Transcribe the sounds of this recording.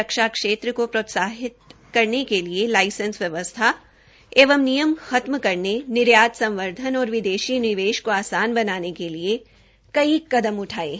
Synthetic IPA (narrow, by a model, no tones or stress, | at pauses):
ɐkʃakʃeːt̪ɾəkopɾoːt̪saːɦɪt̪̚ | kɐɾnekelielaːɪsə̃nsʋjɐʋəst̪ʰa | eːʋəmnijəmxɐt̪məkɐɾnenɪɾjaːt̪sɐ̃mʋəɾd̪ʱənɔːɾʋɪd̪eːʃinɪʋeːʃkoaːsaːnbɐnaːnekelie | kɐikɐd̪əmʊʈʰaːḛː